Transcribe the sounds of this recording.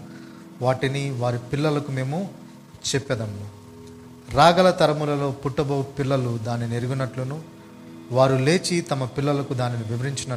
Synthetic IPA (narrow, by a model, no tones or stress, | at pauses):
ʋaːʈiniʋaːɾipilːɐlɐkume̞ːmu | t͡ʃepːɛd̪ɐmlu | ɾaːɡɐlɐt̪ɐɾɐmulɐlo̞ːpuʈːɐbɐwpilːɐlud̪aːnineɾuɡunːɐʈlunu | ʋaːɾule̞ːt͡ʃit̪ɐmɐpilːɐlɐkud̪aːniniʋiʋɐɾiɲt͡ʃinɐ